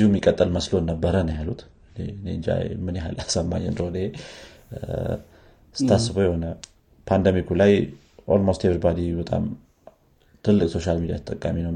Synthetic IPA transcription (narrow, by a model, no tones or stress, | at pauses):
ihumːikʼət̪ʼːəlməslo̞nːəbːəɾənəjalut̪ | nend͡ʒa̰jmɨnjeɦalasəmːa̰ɲːɛnd̪ɾod̪ehe | sɨt̪ʰːasːɨβojɛho̞nə | pʰand̪əmikulaj | ʔolmost̪evɾbad̪ibət̪ʼa̰m | t̪ʰɨlːɨkʼso̞ʃalmid̪ijat̪ʰə̥t̪ʼəkʼːaminə